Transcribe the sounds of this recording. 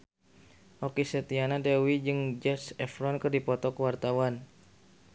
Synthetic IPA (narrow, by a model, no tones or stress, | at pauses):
ʔokisɛt̪ianadɛwid͡ʒɨŋd͡ʒɛsɛfɾɔnkərdipɔt̪ɔkəwart̪awan